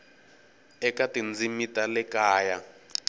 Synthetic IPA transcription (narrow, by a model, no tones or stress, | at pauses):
ɛkatind͡zimitalɛkaːja